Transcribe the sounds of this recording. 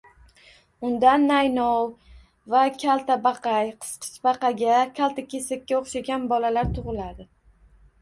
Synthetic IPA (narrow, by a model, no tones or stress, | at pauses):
ʊnd̪anːajnɒw | vakʲʰalˠt̪ʰabɑqʰɑjqʰɨ̥sqʰɨ̥t͡ʃbɑqɑɡʲakʲʰalˠt̪ʰakʲe̞sakʲːaoχʃaɡʲanbɒlalaɾt̪ʰʊʁɨlad̪ɪ